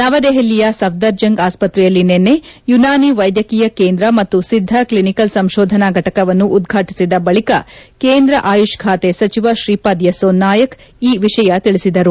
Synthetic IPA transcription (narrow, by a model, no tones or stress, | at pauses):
nɐʋɐd̪eɦelːijɐsɐʋd̪ɐɾd͡ʒɐŋɡaːspɐt̪ɾɛjɐlːinenːe̞junaːniʋɐjd̪jɐkiːjɐkeːnd̪ɾɐmɐt̪ːusid̪ʱːɐklinikɐlsɐmʃoːd̪ʱɐnaɡʱɐʈɐkɐʋɐnːuʔːd̪ɡʱaːʈi̥sid̪ɐbɐɭikɐkeːnd̪ɾɐʔaːjuʃkʰaːt̪esɐt͡ʃiʋaʃɾiːpad̪jɐsoːnːaːjɐk | iːʋiʃɐjɐt̪iɭisid̪ɐɾu